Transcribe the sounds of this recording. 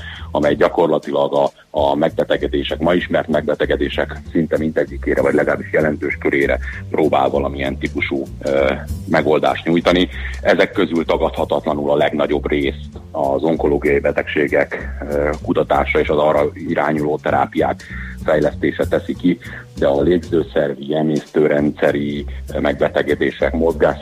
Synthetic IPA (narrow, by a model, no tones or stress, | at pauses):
ɒmɛjɟɒko̞rlɒt̪ilɒɡɒː | mɛɡ̚b̪ɛt̪ɛɡɛd̪eːʃɛkmɒiʃmɛrt̪mɛɡ̚bɛt̪ɛɡɛd̪eːʃɛksint̪ɛmint̪ɛɟːikeːɾɛvɒɟlɛɡɒlaːbiʃjɛlɛnt̪øːʃkøɾeːɾɛ̰proːba̰ːlvɒlɒmiɛnt̪ipuʃu | mɛɡo̞ld̪a̰ːʃt̪ɲujt̪ɒniɛzɛkːø̞zylt̪ɒɡɒt̪hɒt̪ɒt̪lɒnulɒlɛɡnɒɟo̞breːst̪ɒzo̞ŋko̞loːɡijɒjibɛt̪ɛkʃeːɡɛkkut̪ɒt̪aːʃɒeːʃɒzɒrɒiɾaːɲuloːt̪ɛɾa̰ːpija̰ːkfɛjlɛst̪eːʃɛt̪ɛsiki | d̪ɛɒleːɡzøːsɛrvijɛneːst̪øːɾɛnt̪sɛɾimɛɡ̚bɛt̪ɛɡɛd̪eːʃɛkmo̞zɡaːʃ